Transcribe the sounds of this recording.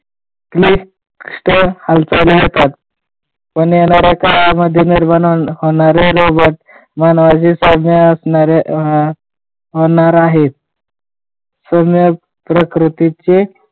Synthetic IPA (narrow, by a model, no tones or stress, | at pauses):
kli | ʂʈəhalt͡saliɦət̪at̪ | pəɳjenaɾakalaməd̪ʱjeniɾmanohoɳ̃aɾeɾobəʈ̚ | manʋad͡ʑisəmjəəsnaɾe | ɦonaɾaɦet̪̚ | səmjə | pɾəkɾut̪it͡ɕe